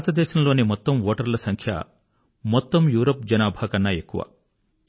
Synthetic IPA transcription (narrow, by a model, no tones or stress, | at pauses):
t̪ɐd̪ɛːʃɐmlo̞ːnimɔt̪ːɐmʋoːʈɐɾlɐsɐŋkʰjɐ̰ | mɔt̪ːɐmjuːɾoːpd͡ʒɐnaːbʱaːkɐnːɐe̞kːuʋɐ̰